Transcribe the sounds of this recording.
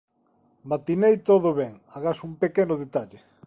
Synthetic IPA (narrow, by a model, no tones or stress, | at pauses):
mat̪inejt̪oðʊβɛŋ | aɣasumpekɛnʊðet̪aʎɪ